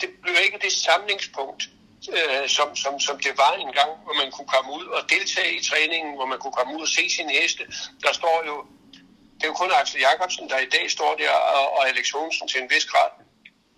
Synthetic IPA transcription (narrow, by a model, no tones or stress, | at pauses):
d̥e̝b̥lie̝ɡ̥əd̥e̝sɑ̈mle̝ŋspʰɔ̽ŋ̰d̥ | øsɒ̽msɒ̽msɒ̽md̥e̝ʋɑ̈enɡ̥ɑ̈ŋ̰ʋɒmænkʰukʰɒ̽məuð̞̰ˠɒ̽d̥e̝lt͡sʰɛ̰ːit͡sʰʁɛːne̝ŋn̩ʋɒmænkʰukʰɒ̽məuð̰ˠɒse̝̰ːsinəhesd̥əd̥ɑ̈sd̥ɒ̰ːjo̝ | d̥e̝jokʰɔ̽nɑ̈ɡ̥sl̩jɑ̈kʰɒ̽b̥sn̩d̥ɑ̈id̥ɛ̰ːsd̥ɒ̰ːd̥æɐ̰ɒɒ̽eleɡ̥so̝̰ːnsn̩t͡sʰe̝enʋesɡ̥ʁɑ̰̈ːd̥